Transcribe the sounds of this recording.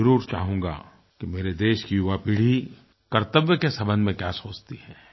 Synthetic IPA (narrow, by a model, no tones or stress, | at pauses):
ɐɾuːɾt͡ʃa̰ːɦũːŋɡa̰ː | kimeːɾed̪eːʃkijʊʋapiːɽ̤i | kɐɾt̪əʋjəkesɐbə̃nd̪mẽkjaːsoːt͡ʃt̪iɦɛː